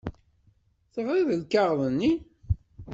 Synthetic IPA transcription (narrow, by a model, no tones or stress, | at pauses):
θəvɾiðəlkaʁðˤənːi